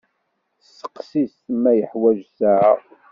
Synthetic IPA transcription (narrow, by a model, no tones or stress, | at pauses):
sə̥qsismæjəħwæʒsæʕ